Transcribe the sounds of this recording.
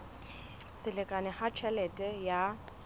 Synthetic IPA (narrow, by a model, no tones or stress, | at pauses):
sɪlɪkʼanɪhat͡ʃʰɛlɛtʼɛja